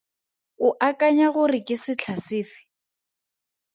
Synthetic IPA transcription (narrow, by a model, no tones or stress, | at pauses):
ʊʔakʼaɲaɣʊrɪkʼɪsɪt͡ɬʰasɪːfɪ̥